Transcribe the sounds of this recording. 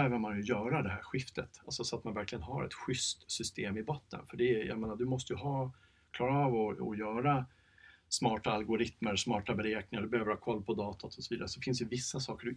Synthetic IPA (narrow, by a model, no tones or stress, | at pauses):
øːvəɾmanjɵjœːɾad̪ɛɦæɾɧɪft̪ət̪alsɔsɔat̪manvæɾklɪɡənɦaɾɛ̰t̪ɧʏst̪sʏst̪eːmɪbɔt̪ːə̰nfœɖɛja̰meːnad̪ɵmɔst̪əjɵɦɑː | kʰlɑːɾaɑːvɔɔ̰jœːɾa | smɑːʈaːlɡʊɾɪt̪məɾsmɑːʈabɛɾeːknɪŋaɖ̪ɵbɛhøːvəɾhɑːkʰɔlːpʰɔd̪ɑːt̪ʰat̪ʰɔsɔviːd̪aɾəsɔfɪnsd̪ɛjɵvɪsːasɑːkəɖɵ